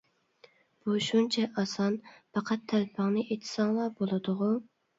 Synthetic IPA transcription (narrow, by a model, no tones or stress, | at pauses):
b̥uʃunt͡ʃʰɛʔɑsɑnpɑqʰɑt̪ʰːælpʰɨŋnɨʔet̪ʰɪ̥sɑŋlˠɑbolˠɨd̪ʊʁʊ